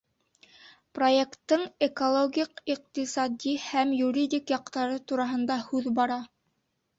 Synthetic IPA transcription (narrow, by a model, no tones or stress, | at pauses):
pro̞jekt̪ːɤɴekolˠoɡʲiqiq̚t̪isɑd̪ʲihæmjuɾʲidʲikjɑq̚t̪ɑɾɤt̪uɾɑɦɤ̆nd̪ɑhʉðbɑɾɑ